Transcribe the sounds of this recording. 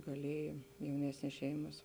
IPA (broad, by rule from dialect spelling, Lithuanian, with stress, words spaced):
ɡɐˈlʲiɛjɛ jɛʊˈnʲæːsʲnʲeːs ˈʃʲɛɪmɐs